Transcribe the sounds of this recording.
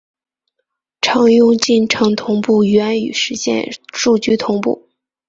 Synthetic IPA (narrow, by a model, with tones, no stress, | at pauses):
ʈ͡ʂʰɑ˧˥ŋjʊ˥ŋt͡ɕi˥˩nʈ͡ʂʰɤ˧˥ŋt̪ʰʊ˧˥ŋpu˥˩ɥɛ˧˥ny̰˨˩ʂɻ̩˧˥ɕjɛ̰˥˧nʂu˥˩t͡ɕy˥t̪ʰʊ˧˥ŋpṵ˥˩